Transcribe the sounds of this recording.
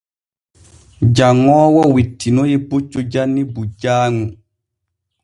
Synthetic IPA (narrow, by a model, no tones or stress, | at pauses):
d͡ʒaŋːɔːwɔwitʰːinɔjebut͡ʃːod͡ʒanːibud͡ʒaːŋu